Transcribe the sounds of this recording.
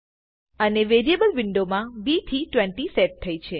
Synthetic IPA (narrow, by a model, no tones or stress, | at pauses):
əneʋeɾiebəlʋɪɳɖomãbit̪ʰiʈʋɛɳʈiseʈ̚t̪ʰːəit͡ʃʰe